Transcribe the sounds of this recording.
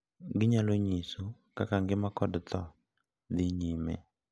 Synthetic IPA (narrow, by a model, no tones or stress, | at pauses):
ŋɡiɲaloɲisɔ | kakaŋɡɪmakɔdt̪ɔ | ðiɲimɛ̰